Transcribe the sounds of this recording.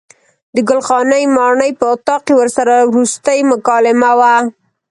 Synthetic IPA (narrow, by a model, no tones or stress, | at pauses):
d̪əɡʊlxɑnəjmɑɳəjpəʊt̪ɑqewəɾsaɾawɾust̪əjmʊkɑlɪmawa